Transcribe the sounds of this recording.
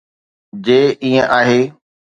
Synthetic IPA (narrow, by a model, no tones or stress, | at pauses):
d͡ʑeːʔiːə̃ʔaːɦeː